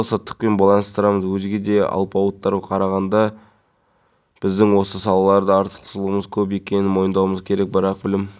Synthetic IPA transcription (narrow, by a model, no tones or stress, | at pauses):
sət̪ːə̥q̚pe̞nbɑlˠɑnəst̪əɾɑməzwɵzɡʲe̞d̪e̞ɑ̰lˠpɑwət̪ːɑɾʁɑqʰɑɾɑʁɑnd̪ɑ | b̥ɪzd̪ɪŋwo̞səsɑlˠɑlˠɑɾd̪əɑɾt̪ə̥qt̪ʰəslˠəʁəməzkʲʰɵpje̞kʲe̞nɪnmo̞jənd̪ɑwməzkʲʰe̞ɾe̞k̚bəɾɑq̚bɪlɪm